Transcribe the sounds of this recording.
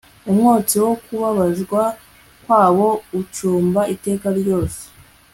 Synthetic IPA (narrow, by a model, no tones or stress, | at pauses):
umŋoːt͡siwo̞kuβaβaʒɡwa | kwaːwo̞ut͡ʃuːmbaʔite̞ːkaɾjo̞ːse̥